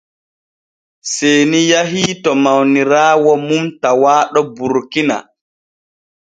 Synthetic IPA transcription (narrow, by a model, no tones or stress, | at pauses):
sejnijaɦiːtɔmawniɾaːwɔmumtawaːɗɔbuɾkina̰